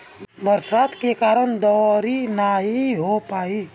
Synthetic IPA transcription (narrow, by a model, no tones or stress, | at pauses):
bəɾsaːt̪kekaːɾəñd̪ɔɾinaɦiɦopaːi